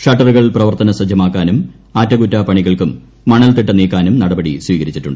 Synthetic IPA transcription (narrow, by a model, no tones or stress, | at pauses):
ʂɐʈːɐruɣɐɭprɐʋɐrt̪ɐnɐsɐd͡ʑʱɐmaːkːaːnum | aːtːɐɡutːapɐɳiɣɐɭkumː | ɐɳɐlt̪iʈːɐniːkːaːnumnɐɽɐbɐɽiswiːɣɐɾit͡ɕːiʈːuɳɖɨ